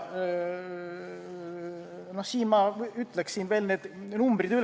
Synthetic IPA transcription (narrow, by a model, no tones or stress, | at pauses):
nohsiːnmɑyt̪ːˑlekssiːnve̞ːlneːd̪̥numbrid̪yl